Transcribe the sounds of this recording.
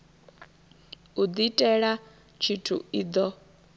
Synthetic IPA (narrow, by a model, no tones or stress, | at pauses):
ud̪itʼɛɺa | t͡ʃʰitʰṵid̪ɔ